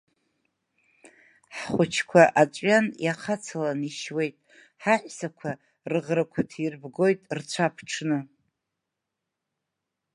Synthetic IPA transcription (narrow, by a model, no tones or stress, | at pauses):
ħχʷʊt͡ʃʰkʷʰaʔat͡ʃʷʼɥjanjaqʰat͡sʰalaniʃwe̞jtʼ | ħaħʷᶣsakʷʰa | rɨʁrakʷʰatʰirbɡo̞jtʼrt͡sʷʰapʰʈ͡ʂʰnɨ